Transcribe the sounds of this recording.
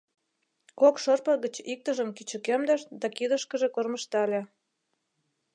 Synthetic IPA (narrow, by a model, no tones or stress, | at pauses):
kokʃɤrpə̆ɣət͡ɕik̚t̪əʒəmkit͡ɕə̆kemd̪əʃd̪ɑkid̪əʃkəʒe̽korməʃt̪ɑlʲe